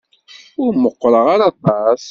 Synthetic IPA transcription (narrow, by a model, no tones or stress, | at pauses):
ʊɾməqːəɾəʁaɾɑt̪ˤɑs